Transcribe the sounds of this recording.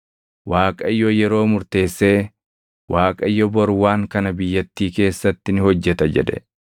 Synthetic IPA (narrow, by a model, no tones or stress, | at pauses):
waːkʼɐɪjːɔjɛɾo̞ːmʊɾt̪e̞ːsːe̞ː | waːkʼɐɪjːɔbɔɾwaːŋkɐnɐbɪjːɐt̪ːiːke̞ːsːɐt̪ːɪnɪhɔd͡ʒːɛt̪ɐd͡ʒɛ̰ᶑɛ̰